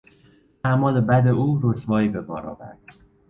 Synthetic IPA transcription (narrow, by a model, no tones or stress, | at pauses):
ʔæmɒːlebæd̪e̞ʔuːɾosvɒːiːbe̞bɒ̰ːɾɒ̰ːvæ̰ɾd̪̥